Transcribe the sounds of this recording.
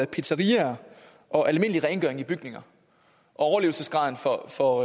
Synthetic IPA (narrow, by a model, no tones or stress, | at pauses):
æpʰe̝̥sʰɐʁiɐ | ʔɒ̽ʔælme̝n̰əliʁɛɪnɡ̥œɐe̝ŋib̥yɡ̥ne̝ŋɐ | ʔɒ̽ɒʊɐle̝ʊl̩səsɡ̥ʁɑ̈ðˠn̩fɒfɒ̽